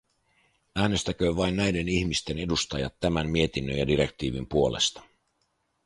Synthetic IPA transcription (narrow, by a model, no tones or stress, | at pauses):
æːne̞st̪æk̟øːʋɑjnːæjde̞niçmist̪e̞ne̞dust̪ɑjɑ̰t̪ːæmænmie̞t̪inːønjɑdiɾe̞kt̪iːʋimpuo̞le̞̰st̪ɑ̥